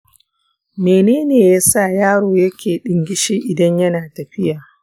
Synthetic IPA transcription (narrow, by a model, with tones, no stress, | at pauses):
meː˨neː˦neː˨jaː˦saː˦˨jaː˦ɽoː˨jɐ˦kʲeː˨ɗɪ˨ŋɡʲɪ˦ʃiː˦ʔɪ˨dɐ˦ɲjɐ˦naː˨tɐ˨ɸɪ˦jaː˨